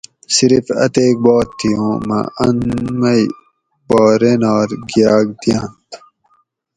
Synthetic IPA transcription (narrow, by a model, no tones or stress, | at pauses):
siɾifɐ̰t̪eːk̚boːt̪ʰːijõːmɐ̰ɐnmɐj | bɔːɾenaːɾɡijaːɡ̚d̪ijãːnt̪